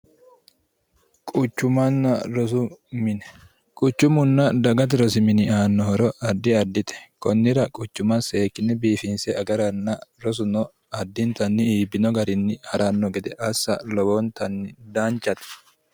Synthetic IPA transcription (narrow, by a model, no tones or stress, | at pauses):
kʼʊt͡ʃːʊmɐnːɐɾɔs̬ʊmɪnɛ | kʼʊt͡ʃːʊmʊnːɐd̪ɐɡɐt̪̬ɪɾɔsɪmɪnɪaːnːɔhɔɾɔʔɐd̪ːɪɐd̪ːɪt̪ɛ̥kɔnːɪɾɐkʼʊt͡ʃːʊmɐse̞ːkːɪnːɛbiːfɪnsɛɐɡɐɾɐnːɐɾɔs̬ʊnɔ | ɐd̪ːɪnt̪ɐnːɪiːbːɪnɔɡɐɾɪnːɪhɐɾanːɔɡɛd̪ɛʔɐsːɐ̰lɔbɔnt̪ɐnːɪd̪aːnt͡ʃʼːɐt̪ɛ̥